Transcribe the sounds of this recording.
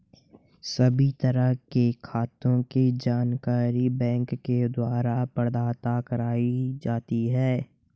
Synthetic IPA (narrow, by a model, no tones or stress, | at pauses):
sɐbʱit̪ɐɾəɦkekʰaːt̪õked͡ʒaːnkaːɾibɛ̃ːŋkːed̪waːɾapəɾd̪aːt̪akɐɾaːid͡ʒaːt̪iɦɛː